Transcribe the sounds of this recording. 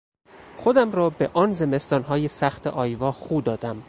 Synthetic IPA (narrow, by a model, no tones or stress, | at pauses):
xod̪æmɾɒːbeʔɒːnze̞me̞st̪ɒːnɦɒːjesæxt̪ʰeʔɒːjvɒːxuːd̪ɒːd̪æm